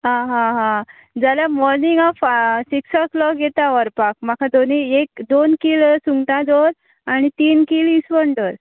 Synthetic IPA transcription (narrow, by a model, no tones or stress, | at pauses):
ɦãɦãɦã | d͡zalamɔɾniŋɡafsiksɔklɔkɡʱet̪aʋəɾpakm̤akʰad̪oniek̚d̪onkiːɭsuŋɡʈ̪ãd͡zoɾ | aɽ̃it̪iːnkiːɭisʋəɳʈəɾ